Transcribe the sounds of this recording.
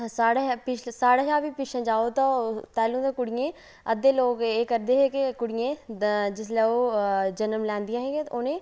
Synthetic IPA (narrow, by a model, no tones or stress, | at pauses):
saːɽepɪt͡ʃsaːɽaːɦãːbiːpɪʃãːd͡ʒaːoːt̪ãt̪ɛːlũːt̪ãːkʊɽɪjẽː | əd̪eːloːkeːkəɾd̪eːɦɛːkɪkʊɽɪjẽːd͡ʒɪslɛːoːd͡ʒənəmlɛ̃ːnd̪ijãːɦɛːɡẽonẽː